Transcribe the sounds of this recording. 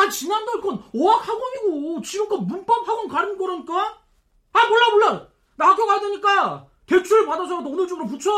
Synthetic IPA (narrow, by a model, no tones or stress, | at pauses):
at͡ɕinandʌɭk͈ʌnoak̚haɡomiɡot͡ɕiɡɯmkomunp͈ap̚haɡonkaɾɯnbʌɾʌɲik͈a | aiboɭːaboɭːa | nakʌɡadeɲik͈a | te̞t͡ɕʰuɾɯpadʌs̬ʰʌdoʌnɯɭt͡ɕoɡɯɾomp̬ut͡ɕʰo